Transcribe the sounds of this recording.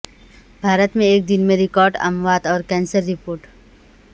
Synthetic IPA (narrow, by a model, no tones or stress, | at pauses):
bʱaːɾət̪mẽeːk̚d̪ɪnmẽɾɪkɔːɾɖɐ̰mʋaːd̪ɔːɾkɛ̃ːnsəɾːɪpoːɾʈ